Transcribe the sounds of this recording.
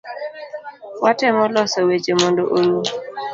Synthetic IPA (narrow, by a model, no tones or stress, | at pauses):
watɛmɔlɔsawet͡ʃemondoʔolu